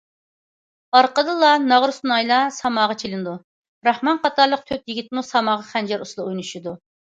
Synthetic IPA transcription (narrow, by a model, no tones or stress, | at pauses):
ɑɾqəd̪ɨlˠɑnɑʁɾusnɑjlˠɑsɑmɑːʁɑt͡ʃʰelɪnɨd̪u | ɾɑhmɑnqʰɑt̪ɑɾlˠəq̚t̪ʰøp̚jiɡʲit̪̚musɑmɑːʁɑχɛnd͡ʒɛɾuslˠɑujnuʃud̪u